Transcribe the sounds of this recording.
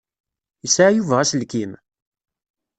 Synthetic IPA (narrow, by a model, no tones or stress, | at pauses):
əsaʕjuvəʁæslkim